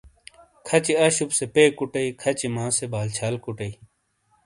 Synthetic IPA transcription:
kʰɐt͡ɕiɐɕupsepeːkuʈɐikʰɐt͡ɕimãːsebaːlt͡ɕʰaːlkuʈɐi

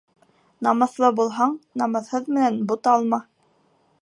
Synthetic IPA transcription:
nɑmɤ̆θlˠɤbulˠɦɑɴnɑmɤ̆ðhɤðmɘ̆nænbut̪ɑlˠmɑ

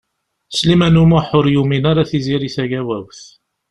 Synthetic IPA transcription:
slimænumʊħʊɾjuminaɾaθiziɾisæʝæwæwθ

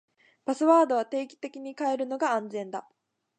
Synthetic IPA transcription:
pasɨβaːd̪o̞β̞at̪e̞ːkʲi̥t̪e̞kʲiɲ̟ikae̞ɾɯ̟no̞ɡaãnd͡zẽ̞nd̪a

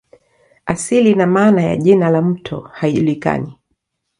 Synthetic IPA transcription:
asilinamaːnaja̰ʄinalam̩tʰɔ̰haiʄulika̰ni

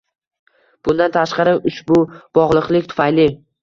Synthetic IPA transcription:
b̥ʊnd̪ant̪ʰaʃqɑɾɪʔʊʃbʊb̥ɒʁlˠɨqlˠɪkʲt̪ʰʊ̥fajlɪ

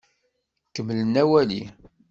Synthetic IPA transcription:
kːəmːlənæwæli

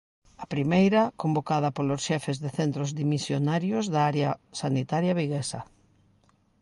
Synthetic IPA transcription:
ɐpɾimejɾɐkombokað̞ɐpolosʃɛfezðeθɛnt̪ɾozðimisjonaɾjozðaaɾjɐsanit̪aɾjɐβiɣesɐ

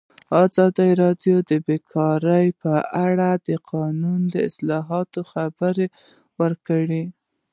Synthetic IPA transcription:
ɑzɑd̪əɾɑdjod̪əbekʰɑɾəjpəaɽad̪əqʰɑnund̪əɪslɑɦɑt̪oxabəɾe | wəɾkəɽi

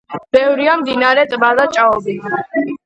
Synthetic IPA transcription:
b̥ɛvɾiamd̪inaɾɛt̪ʼbad̪at͡ʃʼaɔbi

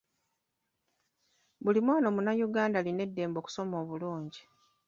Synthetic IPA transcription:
bulimwaːno̞munajuɡaːndaline̞dːe̞ːmbo̞ku̥so̞mo̞ːβuluːɲɟi

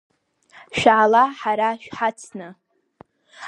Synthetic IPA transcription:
ʃᶣaʕalaħaɾaʃᶣħat͡sʰnɨ

